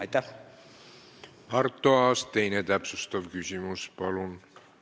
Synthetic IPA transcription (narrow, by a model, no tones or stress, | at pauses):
ɑjt̪ːæ | ɑrt̪ːˑoɑːst̪e̞jnet̪æpsust̪ɑvkysʲimuspɑlun